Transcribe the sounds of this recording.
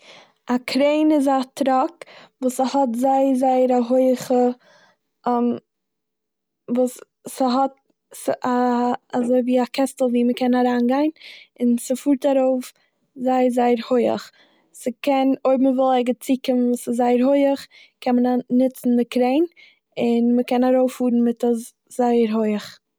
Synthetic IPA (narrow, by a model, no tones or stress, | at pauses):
akʰɾeɪnɪzatɾɔkvuːsəhɔtzaɪəɾzaɪəɾaɦoɪəχə | m | vuːs | səɦɔt̚ | sʔaazoɪviːakʰɛstl̩ˠviːməkʰɛnaɾaːnɡaɪnɪnsəfuːɾtaɾoʊf | zaɪəzaɪəɾhoɪə̰χ | səkɛnoɪbm̩əvɪlˠɛɡət͡siːkɪmənvuːsɪzzaɪəɾɦoɪəχ | kʰɛnmənanɪt͡sn̩dɪkɾeɪn | ɪnməkɛnaɾoʊfuːɾn̩mɪtəs | zaɪəɾɦoɪəχ